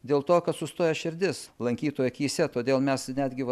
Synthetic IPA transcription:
d̪ʲeːlˠt̪oːkɐt̪sʊst̪oːjɛʃʲɪɾʲd̪ʲɪslˠɐŋʲkʲiːt̪oːjɛkʲiːsʲɛt̪oːd̪ʲeːlˠmʲɛsnʲæːd̪ʲɡʲɪʋɐ

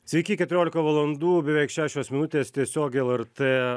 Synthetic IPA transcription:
sʲʋʲɛɪkʲiːkʲɛt̪ʊɾʲoːlʲɪkɐʋɐlˠɐnd̪uːbʲɛʋʲɛɪkʃʲæːʃʲoːsmʲɪnʊt̪ʲeːst̪ʲiɛsʲoːkʲɛlˠɛɾt̪eː

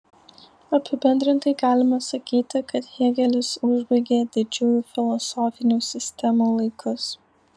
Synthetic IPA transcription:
ɐpʲɪbʲɛnʲd̪ʲɾʲɪnt̪ɐɪɡɑːlʲɪmɐsɐkʲiːt̪ʲɪkɐt̪hiɛɡʲɛlʲɪsʊʒbɐɪɡʲeːd̪ʲɪd͡ʒʲʊjuːfʲɪlˠɔsɔːfʲɪnʲuːsʲɪsʲt̪ʲɛmuːlˠɐɪkʰʊs

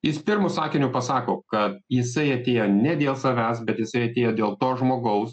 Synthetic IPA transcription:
jɪspʲɪɾmʊsɑːkʲɪnʲʊpɐsɑːkoːkɐt̪̚jɪsɐɪɐt̪ʲeːjoːnʲɛd̪ʲeːlˠsɐʋʲæːsbʲɛt̪jɪsɐɪɐt̪ʲeːjoːd̪ʲeːlˠt̪oːsʒmoːɡɐʊs

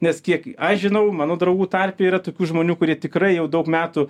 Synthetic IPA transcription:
nʲɛskʲiɛkiʔɐʃʒʲɪnɐʊmɑːnoːd̪ɾɐʊɡuːt̪ɐrʲpʲeiːɾɐt̪oːkʲuːʒmoːnʲuːkʊɾʲiɛt̪ʲɪkrɐɪjɛʊd̪ɐʊkmʲæːt̪ʊ

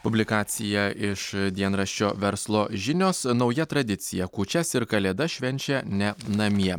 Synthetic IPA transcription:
pʊbʲlʲɪkɑːt̪sʲɪjɛɪʃd̪ʲiɛnɾɐʃʲt͡ʃʲoːʋʲɛɾslˠoːʒʲɪnʲoːsnɒʊjɛt̪ɾɐd̪ʲɪt̪sʲɪjɛkuːt͡ʃʲɛsɪɾkɐlʲeːd̪ɐʃʲʋʲɛnʲt͡ʃʲɛnʲɛnɐmʲiɛ

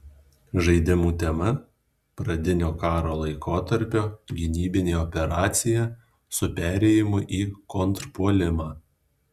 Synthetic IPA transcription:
ʒɐɪd̪ʲɪmuːt̪ʲɛmɐ | pɾɐd̪ʲɪnʲoːkɑːɾoːlˠɐɪkoːt̪ɐɾʲpʲoːɡʲɪnʲiːbʲɪnʲeːɔpʲɛɾɑːt̪sʲɪjɛ | sʊpʲæːɾʲɛjɪmʊʔiːkɔnt̪ɾpuɔlʲɪmɑː

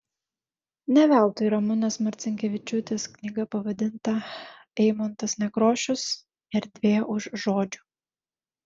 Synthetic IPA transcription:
nʲɛʋʲæˑlˠt̪ʊiɾɐmʊnʲeːsmɐɾʲt̪sʲɪŋʲkʲɛʋʲɪt͡ʃʲʊt̪ʲeːsknʲiɡɐpɐʋɐd̪ʲɪnt̪ɐ | ɛɪmont̪ɐsnʲɛkɾoːʃʲʊs | ɪɾd̪ʲʋʲeːʊʃʒoːd͡ʒʲʊ

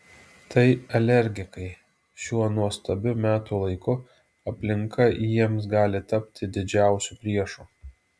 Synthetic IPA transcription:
t̪ɐɪɛlʲɛɾʲɡʲɪkɐɪ | ʃʲuɔnuɔst̪ɐbʲʊmʲæːt̪uːlˠɐɪkʊ | ɐpʲlʲɪŋkɐjiɛmsɡɑːlʲɪt̪ɐpʲt̪ʲɪd̪ʲɪd͡ʒʲæˑʊsʲuːpʲɾʲiɛʃuː

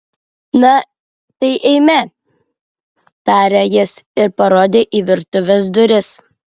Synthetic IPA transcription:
nɐ | t̪ɐɪʔɛɪmʲɛ | t̪ɑːɾʲejɪsɪɾpɐɾoːd̪ʲeːʔiːʋʲɪɾt̪ʊʋʲesd̪ʊɾʲɪs

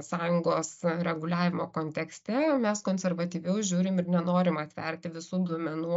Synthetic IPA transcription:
sɑːjʊŋɡoːsɾʲɛɡʊlʲæːʋʲɪmoːkoːnʲt̪ʲɛksʲt̪ʲɛmʲɛskoːnʲsʲɛrʋɐt̪ʲiːʋʲɛʊʒʲuːɾʲɪmɪrnʲɛnoːɾʲɪmɐt̪ʲʋʲɛ̰rʲt̪ʲɪʋʲɪsuːd̪uɔmʲɛnuː

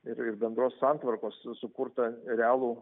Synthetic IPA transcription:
ɪɾɪrbʲɛnd̪ɾoːssɑnt̪ʋɐrkoːssʊkuːrt̪ɐɾʲɛaːlˠuː

